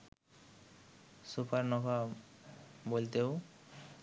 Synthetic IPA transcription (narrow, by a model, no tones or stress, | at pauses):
supaɾnɔba | bolt̪eo